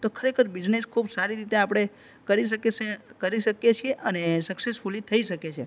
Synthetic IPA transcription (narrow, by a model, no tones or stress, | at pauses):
t̪okʰəɾekʰəɾbid͡ʒneskʰubsaɾiɾit̪eapɽ̃e | kəɾiʃəkesekəɾiʃəkjet͡ʃʰieʔənesəksesfʰulit̪ʰəiʃəket͡ʃʰe